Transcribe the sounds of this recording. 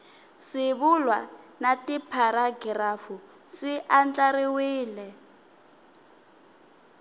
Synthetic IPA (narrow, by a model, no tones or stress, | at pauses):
ʂɪβulwanatipʰaɾaɡiɾafu | ʂiʔand͡ɮaɾiwiːlɛ